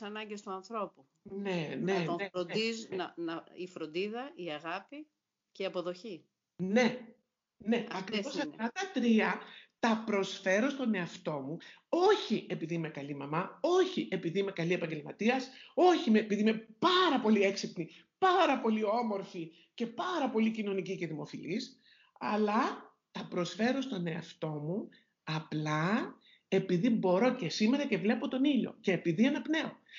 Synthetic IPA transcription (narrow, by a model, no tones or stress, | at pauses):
sɐnɐɲɟest̪uɐnθɾo̞pu | neneeɾoiznɐnɐifɾond̪iðɐiɐɣɐpi | ceiɐpoðoçi | ne̞ | ne̞ɐkɾosɐɐt̪ɐt̪ɾiɐt̪ɐpɾo̞sfe̞ɾo̞st̪o̞ne̞ɐft̪o̞mu | o̞çie̞piðime̞kɐlimɐmɐo̞çiʔe̞piðime̞kɐlie̞pɐɲɟe̞lmɐt̪iɐso̞çimepiðimepɐɾɐpo̞lie̞ksipni | pɐɾɐpo̞lio̞mo̞ɾfi | ce̞pɐɾɐpo̞licino̞nicice̞ðimo̞filis | ɐlɐ | t̪ɐpɾo̞sfe̞ɾo̞st̪o̞ne̞ɐft̪o̞mu | ɐplɐ | e̞piðibo̞ɾo̞ce̞sime̞ɾɐce̞vle̞po̞t̪o̞niʎo̞̰ce̞ːpiðiɐnɐpne̞o̞